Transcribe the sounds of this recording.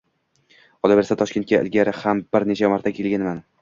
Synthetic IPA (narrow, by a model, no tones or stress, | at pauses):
ɒlˠabe̞ɾsat̪ʰɒʃkʲet̪̚kʲaʔɪ̰lɡʲaɾɪhambɪɾne̞t͡ʃʰamaɾt̪ʰakʲʰe̞lɡʲanman